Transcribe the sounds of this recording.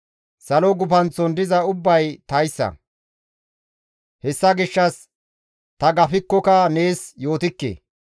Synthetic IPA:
sɐlɔɡʊpɐnt͡sɔnd̪ɪzɐʊbːɐjt̪ɐjsːɐ̰ | hɛsːɐɡɪʃːɐs | t̪ɐɡɐfɪkːɔkɐne̞ːsjo̞ːt̪ɪkːḛː

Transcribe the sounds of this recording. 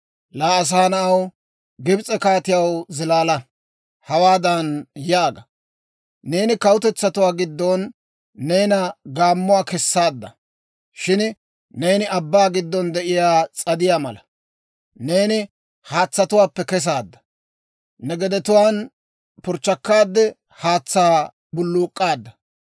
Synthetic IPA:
laːɐs̬aːnɐɐw | ɡɪbt͡sʼɛkaːt̪ɪjɐwzɪlaːlɐ | hɐwaːd̪ɐnjaːɡɐ | ne̞ːnɪkɐwʊt̪ɛt͡sːɐt̪ʊwaːɡɪd̪ːɔnː | e̞ːnɐɡaːmːʊwaːkɛsːaːd̪ːɐ̰ | ʃɪn | ne̞ːnɪɐbːaːɡɪd̪ːɔnd̪ɛʔɪjaːt͡sʼɐd̪ɪjaːmɐlɐ | ne̞ːnɪ | haːt͡sːɐt̪ʊwaːpːɛkɛs̬aːd̪ːɐ̥ | nɛɡɛd̪ɛt̪ʊwaːn | pʊɾt͡ʃːɐkːaːd̪ːɛ | haːt͡sːaː | bʊlːuːkʼːaːd̪ːɐ

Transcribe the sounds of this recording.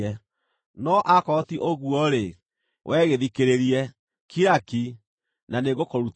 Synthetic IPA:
ɛ | nɔʔakɔtiʔoɣuɔɾe | wʔɛːɣeðikeɾeɾiɛ | kʰiɾaki | naneɣokoɾut

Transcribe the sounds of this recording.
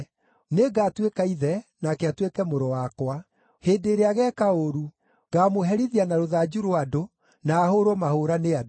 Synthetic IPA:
neɡaːtwekaiðɛnakɛatwekɛmoɾɔwakwa | heːndeːɾeaɣɛkaoɾu | ɡaːmoɦɛɾiðianaɾoðaːd͡ʒuɾoado | naːhoɾɔmahoɾanead

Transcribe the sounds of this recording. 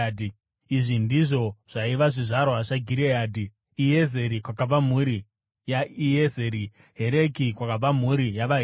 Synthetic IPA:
di | iʐindiʐo̞ʐ̥aiʋaʐiʐaɾoɦaʂaɡʱiɾeaːdʱiː | ezeɾikwakab͡vam̤uɾi | jaiezeɾi | ɦe̞ɾekikwakab͡vam̤uɾijaʋaɦ

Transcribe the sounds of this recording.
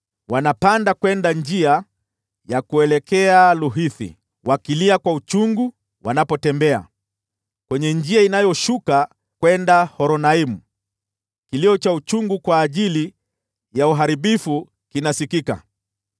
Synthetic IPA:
wanapandakwɛndaɲd͡ʒia | jakuɛlɛkɛaluɦiθḭ | wakiliakwaut͡ʃuŋɡu | wanapɔtɛmbɛa̰ | kwɛɲɛɲd͡ʒiainajɔʃuka | kwɛndahɔɾɔnaimu | kiliɔt͡ʃaut͡ʃuŋɡukwaːʄili | jauɦaɾiɓifu | kinasikika̰

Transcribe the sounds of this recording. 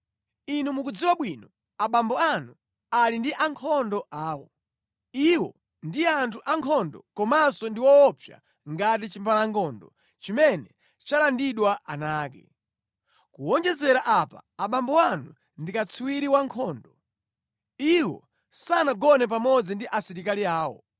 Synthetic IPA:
inumukud͡ziwaɓwiːnɔ | aɓambɔanu | alindiʔaŋkʰɔndɔʔaːwɔ | iwɔ̰ | ndiantʰuʔaŋkʰɔndɔkɔmasɔndiwɔːpʰja̰ | ŋɡat̬it͡ʃimpalaŋkʰɔndɔ | t͡ʃimɛnɛ | t͡ʃalandiɗwaʔanaːkɛ̰ | kuɔnd͡ʒɛzɛɾaʔapa̰ːɓambɔanu | ndikat͡sʰiwiɾiwaŋkʰɔːndɔ | iwɔ̰ | sanaɡɔnɛp̬amɔd͡zindiʔasiɾikaliaːwɔ̰

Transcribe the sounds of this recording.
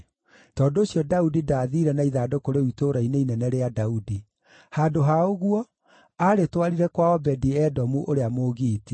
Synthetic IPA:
tɔːndoːsjɔdaudidaðiɾɛnaiðaːdokoɾeuitoɾaineinɛnɛɾeadaudi | haːdoɦaoɣwɔ | aɾetwaɾiɾɛkwaɔbɛdiɛdɔmuʔoɾeamoːɣiːti

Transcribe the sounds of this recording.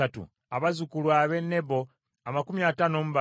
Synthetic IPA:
atṵ | aβazukulwaːβe̞ne̞bo̞ | amakumiatano̞ːmuβa

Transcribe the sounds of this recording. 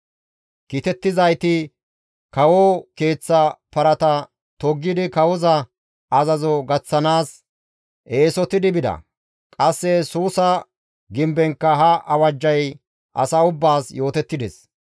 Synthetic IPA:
kit̪ɛt̪ːɪzɐjt̪ɪ | kɐwɔke̞ːt͡sːɐpɐɾɐt̪ɐ | t̪ɔɡːɪd̪ɪkɐwɔzɐ | ɐzɐzɔɡɐt͡sːɐnaːs | ʔeːsɔt̪ɪd̪ɪbɪd̪ɐ̰ | kʼɐsːɛsuːsɐ | ɡɪmbɛŋkːɐɦɐʔɐwɐd͡ʒːɐj | ʔɐ̰sɐʊbːaːsjo̞ːt̪ɛt̪ːɪd̪ɛs

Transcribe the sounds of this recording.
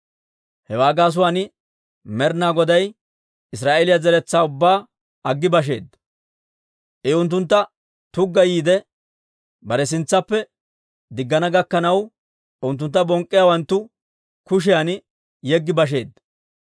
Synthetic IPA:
hɛwaːɡaːs̬ʊwaːn | mɛɾnaːɡɔd̪ɐj | ɪsɾaːʔɛlɪjɐzɛɾɛt͡sːaːʊbːaː | ɐɡːɪbɐʃ̬e̞ːd̪ː | ʔɛʊnt̪̬ːʊnt̪ːɐ | t̪ʊɡːɐjiːd̪ɛ | bɐɾɛs̬ɪnt͡sːɐpːɛ | d̪ɪɡːɐnɐɡɐkːɐnɐw | ʊnt̪ːʊnt̪ːɐbɔŋkʼːɪjawɐnt̪ːʊ | kʊʃ̬ɪjan | jɛɡːɪbɐʃ̬e̞ːd̪ːɐ

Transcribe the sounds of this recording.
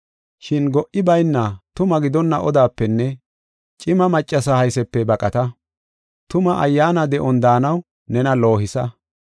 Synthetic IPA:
ʃɪnɡɔʔɪbɐjnːɐt̪ʊmɐɡɪd̪ɔnːɐʔɔd̪aːpːɛnːɛ | t͡ʃʼɪmɐmɐt͡ʃʼːɐsɐhɐjsɛpːɛbɐkʼɐt̪ɐ | t̪ʊmɐʔɐjːaːnɐd̪ɛʔɔnd̪aːnɐw | nɛnɐlo̞ːhɪsɐ

